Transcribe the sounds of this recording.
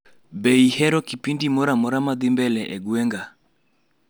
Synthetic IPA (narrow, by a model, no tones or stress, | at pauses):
bɛihɛɾɔkipindimɔɾamɔɾamaðimbɛlɛʔɛɡwɛŋɡa